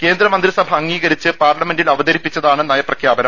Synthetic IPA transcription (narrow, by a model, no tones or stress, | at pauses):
ke̞ːnd̪ɾɐmɐnd̪ɾisɐbʱɐɐŋːiːɣɐɾit͡ɕːɨpaːrlɐme̞ndilɐʋɐd̪ɐɾipːit͡ɕːɐðaːɳɨnɐjɐprɐkʰjaːbɐnɐm